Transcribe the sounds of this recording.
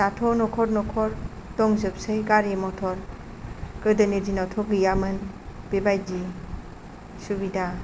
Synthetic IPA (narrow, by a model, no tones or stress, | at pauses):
datʰɔnɔkʰɔɾnɔkʰɔɾdɔŋzɯp̚sejɡaɾemɔtʰɔɾ | kɯɾdɯnidinɔtʰɔɡɯjamɯn | b̥ebajdi | subida